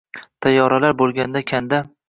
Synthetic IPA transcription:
t̪ʰajːɒɾalaɾbolˠɡʲand̪akʲʰand̪a

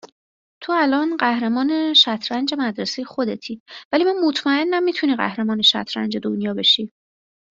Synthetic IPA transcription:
t̪ʰoælɒːnɢæhɾe̞mɒːne̞ʃæt̪ʰɾænd͡ʒe̞mæd̪ɾe̞sejexo̞d̪e̞t̪ʰiːvælimænmot̪ʰmæe̞nːæmːiːt̪ʰuniːɣæ̰hɾe̞mɒːne̞ʃæ̰t̪ʰɾæ̰nd͡ʒe̞d̪onjɒːbeʃiː

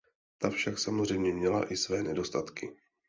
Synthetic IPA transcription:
t̪afʃaksamozr̝ɛjmɲɛmɲɛla̰ʔɪsvɛːnɛdo̞st̪at̪kɪ

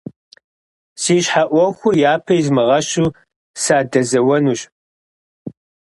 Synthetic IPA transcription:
siːɕħaʔʷɔxʷʊjaːpʰɐjzmɨʁɐɕuː | saːdɐzɐwɐnuːɕ

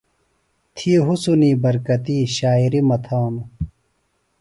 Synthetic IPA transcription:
t̪ʰieɦusuniːbɐɾkɐt̪iːɕaːiɾimɐt̪ʰaːnu

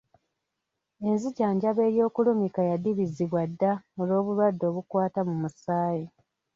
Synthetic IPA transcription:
e̞nziɟaːɲɟaβe̞ːɾjo̞ːkulumikajadiβiziβwadːaolo̞ːβulwadːo̞ːβukwaːtamumusaːji

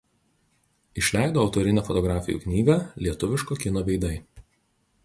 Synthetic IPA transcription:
ɪʃʲlʲæˑɪd̪oːɒʊt̪ɔɾʲɪnʲæfɔt̪ɔɡɾɑːfʲɪjṵːknʲiːɡɐlʲiɛt̪ʊʋʲɪʃkoːkʲɪnoːʋʲɛɪd̪ɐɪ

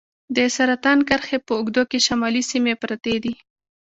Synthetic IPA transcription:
d̪əsaɾat̪ɑnkəɾxepəʊɡd̪okeʃamɑlisimepɾat̪ed̪i

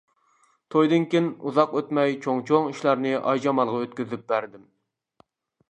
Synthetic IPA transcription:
t̪ʰojd̪ɨnkʲenuzɑqøt̪mɛjt͡ʃʰoŋt͡ʃʰoŋiʃlˠɑɾnɨʔɑ̰jd͡ʒɑmɑlˠʁɑøt̪̚kʲyzyp̚bæɾd̪ɪm

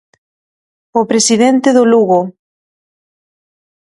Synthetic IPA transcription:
opɾesiðent̪eðʊluɣo

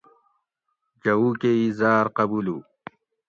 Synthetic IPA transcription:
d͡ʑɐwukeizaːɾqɐbulu

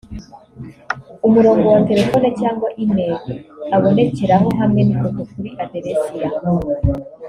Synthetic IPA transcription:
umuɾo̞ːŋɡo̞wate̞ɾe̞fo̞necaːŋɡwaʔineɡeaβo̞ne̞ce̞ɾaɦoɦamŋenikotokuɾiʔadeɾesija

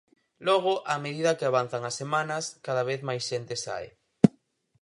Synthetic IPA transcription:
lɔɣ̞ʊʔameðiðɐkɪaβ̞an̟θaŋɐsːemanɐskaðaβ̞eθmajsʃent̪ɪsa̰ḛ

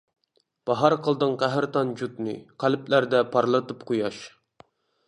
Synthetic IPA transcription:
b̥ɑɦɑɾqʰəlˠd̪ɨŋqæɦɾt̪ʰɑnd͡ʒut̪nɨ̰qʰælplæɾd̪ɛpʰɑɾlˠɨt̪ɨpqʰojɑʃ

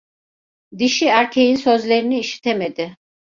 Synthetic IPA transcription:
d̪iʃiæɾcʲʰejinsøzleɾiniːʃi̥t̪ʰɛmed̪ɪ

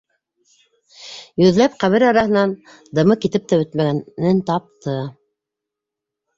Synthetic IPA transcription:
jɵ̆ðlæp̚qæβɘɾɑɾɑhɤ̆nɑn | d̪ɤ̆mɤkit̪ɘp̚t̪æɵt̪mæɡænɘnt̪ɑp̚t̪ʰɤ

